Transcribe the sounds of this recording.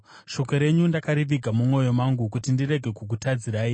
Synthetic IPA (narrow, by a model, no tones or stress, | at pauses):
ʃo̞ko̞ɾe̞ɲundakaɾiʋiɡʱamumwo̞jo̞maŋɡukutindiɾe̞ɡʱe̞kuk̬utad͡ziɾaːi